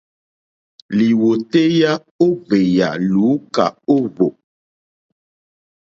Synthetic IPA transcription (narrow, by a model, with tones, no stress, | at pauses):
li˨wo˨te˦ja˦ | o˦ve˨ja̰˨luː˨˦ka̰˨o˦vo˨